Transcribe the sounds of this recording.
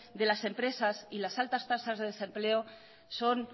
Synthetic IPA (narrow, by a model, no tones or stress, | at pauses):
d̪elasempɾesasilasalt̪ast̪asazðeðesempleo | son